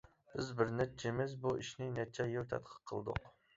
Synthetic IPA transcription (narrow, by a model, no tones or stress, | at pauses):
b̥ɪzbɪɾnɛt͡ʃʰemɪzbuʔiʃnɪnɛt͡ʃʰɛjowt̪ʰɛ̰t̪qʰə̥qʰə̰lˠd̪ʊ̰q